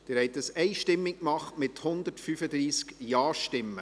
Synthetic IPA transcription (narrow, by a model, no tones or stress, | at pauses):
d̥ɪɾhɛɪt̪əsɛɪʃtɪmːɪkkmɑχtmɪthʊnd̪ətfyfəd̪ɾiːskjɑːʃtɪmːə̰